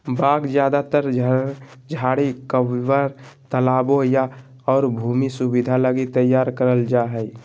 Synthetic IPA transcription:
baːɡd͡ʒjaːd̪at̪əɾ | d͡ʒʱaːɽikəwiwaɾt̪əlaːboja | ɔːɾbʱuːmisubid̪ʱaləɡit̪əjːaːɾkəɾəld͡ʒaɦɛj

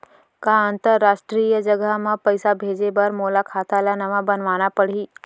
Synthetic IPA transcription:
kaənt̪əɾːaːʃʈɾiːjəd͡ʒɐɡəɦmãpɐɪsabʱeːd͡ʒebɐɾmoːlakʰaːt̪alanɐʋãbɐnʋaːnapɐɽ̤iː

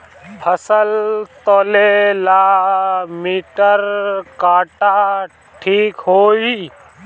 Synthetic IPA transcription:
pʰəsəlt̪oːlelaː | miːʈəɾkaːʈaː | ʈʰiːkɦoːi

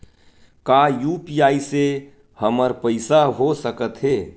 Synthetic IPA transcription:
kaːjuːpijaːise | həməɾpəɪsaɦosəkət̪ɦeː

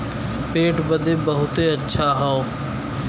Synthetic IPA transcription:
peːʈbəd̪ʱeːbəɦʊt̪eɐtːʃʰaːɦoː

